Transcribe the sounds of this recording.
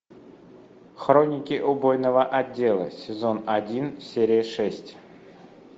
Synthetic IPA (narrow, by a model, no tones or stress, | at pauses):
xronʲɪkʲiʔubojnəvəʔadʲːelˠə̰sʲɪzonadʲinsʲeɾʲɪjəʂɛsʲtʲ